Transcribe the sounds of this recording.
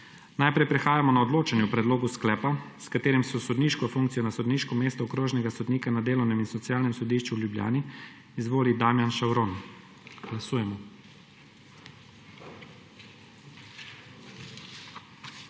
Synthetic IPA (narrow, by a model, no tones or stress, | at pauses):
najpɾɛjpɾɛxaːjamɔnaɔd̪loːt͡ʃanjupɾɛd̪loːɡusklɛːpaskat̪eːɾɛmsɔsɔd̪niːʃkɔfuŋk̚t̪sijɔnasɔd̪niːʃkɔmeːst̪ɔɔkɾoːʒnɛɡasɔd̪niːkanad̪eːlɔwnɛminsɔt̪siaːlnɛmsɔd̪iʃt͡ʃuwlʲjublja̰ːniː | zʋoːlid̪amjanʃawɾon | ɡ̥lasuːjɛmɔ